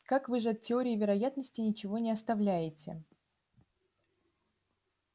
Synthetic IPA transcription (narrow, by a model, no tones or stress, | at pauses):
kakvɨʐɨɐt̪̚tʲːɪo̞ɾʲɪɪvʲɪɾɐjat̪nəsʲtʲɪnʲɪt͡ɕɪvo̞nʲɪɐst̪ɐvlʲæjɪtʲɪ̰